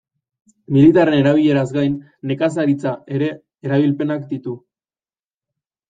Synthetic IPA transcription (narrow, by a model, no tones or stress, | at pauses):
milit̪are̞ne̞ɾaβ̞iʎe̞ɾazɡajnː | e̞kas̬aɾit͡saʔe̞ɾe̞ː | ɾaβ̞ilpe̞nakd̪it̪u